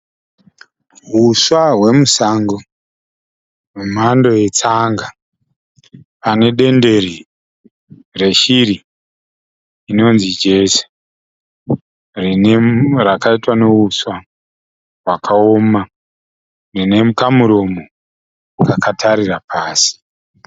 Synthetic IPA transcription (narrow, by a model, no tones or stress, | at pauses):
ɦuswaɦwe̞musaːŋɡo | mumando̞je̞t͡saŋɡa | pane̞ɗe̞nde̞ri | re̞ʃiɾi | no̞nzid͡ʒe̞se̥ | rinerakaitwaneɦuswa | wakʰaoma | rine̞mukamuɾo̞mo | kakatʰaɾirapaːsi̥